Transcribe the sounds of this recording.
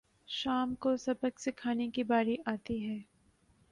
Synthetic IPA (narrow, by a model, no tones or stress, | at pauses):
ʃaːmkosɐbəksɪkʰaːnekibaːɾiʔaːt̪iɦɛː